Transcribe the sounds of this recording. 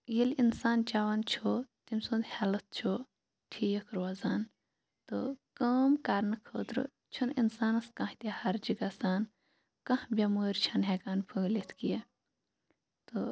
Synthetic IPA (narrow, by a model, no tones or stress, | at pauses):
jilinsaːnt͡ʃaːʋɐnt͡ʃʰot̪imsoːnd̪hɛlɐt̪̚t͡ʃʰo | ʈʰiːjɐkʰɾwazaːn | t̪okɐːmkaɾnɨkʰoːt̪ɾɨ̰ | t͡ʃʰuninsaːnɐskɐ̃ht̪ʲehɐɾd͡ʒiɡasaːn | kɐ̃hbʲɐmuːɾt͡ʃʰɐnɦɛkaːnpʰuːɡlit̪ʰkijɐ | t̪o